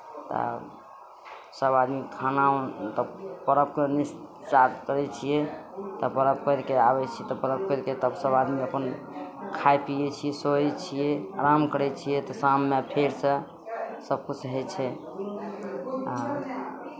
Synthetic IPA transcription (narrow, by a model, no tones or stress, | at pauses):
t̪ɔ̰ | səbad̪mikʰanaot̪ɔpəɾəp̚kenis | t͡ʃaɾkəɾɛt͡ʃʰijɛt̪ɔpəɾəpkəɾkeabɛt͡ʃʰiɛt̪ɔpəɾəb̚kəɾket̪əbsəbad̪miəpən | kʰajpijɛt͡ʃʰijɛsoɛt͡ʃʰijɛɾamkəɾɛt͡ʃʰijɛt̪ɔsamːepʰeɾsə | səb̚kut͡ʃʰɦɛt͡ʃʰɛ | a